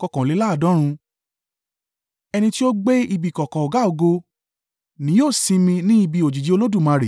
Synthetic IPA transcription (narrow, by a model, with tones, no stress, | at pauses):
kɔ˧˨kɔ̃˨le˨˦la˦˨dɔ̃˨˦ɾ̃ũ˧ | ɛ˧nĩ˧ti˦o˦ɡ͡be˦i˧bi˦˨kɔ˨kɔ̃˨o˨ɡa˨˦o˧ɡo˧ | nĩ˨˦joː˦˨sĩ˧mĩ˧nĩ˦i˧bi˧o˨d͡ʒi˨d͡ʒi˨˦o˧lo˦du˦˨mã˨˧ɾe˨